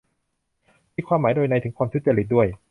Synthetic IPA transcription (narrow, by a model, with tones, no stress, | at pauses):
iː˧˩kʰwaː˧mːaː˩˦jdoː˧jna˧jt̪ɯ˨˩˦ŋkʰwaː˧mt̪ʰu˦˥t̪̚t͡ɕa˧ɾli˦˥t̪̚du˥˩əj